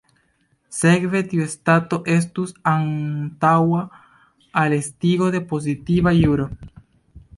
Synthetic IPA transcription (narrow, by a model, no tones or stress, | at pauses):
se̞kve̞t̪iuestato̞ʔe̞s̬tusantawa | alestiɡo̞de̞po̞z̬itivajuɾo̞